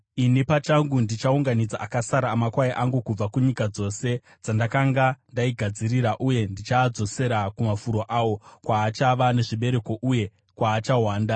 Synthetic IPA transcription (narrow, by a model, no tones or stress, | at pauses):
inipat͡ʃaŋɡundit͡ʃauŋɡanid͡zaʔakasaɾaːmakwajiʔaŋɡukub͡vakuɲikad͡zo̞se̞ | d͡zandakaŋɡandaiɡʱad͡ziriɾaʔuje̞ndit͡ʃaːd͡zo̞se̞ɾakumafuɾo̞ʔawo̞kwaːt͡ʃaʋane̞ʐiɓe̞ɾe̞ko̞ʔuje̞ | kwaːt͡ʃaɦwaːnda